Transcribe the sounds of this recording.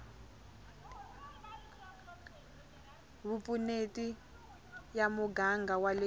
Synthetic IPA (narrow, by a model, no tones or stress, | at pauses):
βupʼuneti | jamuɡaŋɡawale